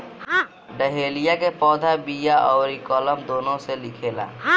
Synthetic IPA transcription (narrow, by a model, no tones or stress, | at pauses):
ɖəɦelijakepɔːd̪ʱabijaʔɔːɾikələmd̪oːnõselikʰela̰